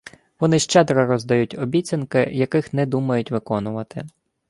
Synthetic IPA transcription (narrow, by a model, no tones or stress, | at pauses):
ʋɔnɪʃt͡ʃɛd̪ɾɐɾɔzd̪ɐjutʲɔbʲit͡sʲɐnkɪjɐkɪxnɛd̪umɐjʊtʲʋɪkɔnʊʋɐt̪ɪ̰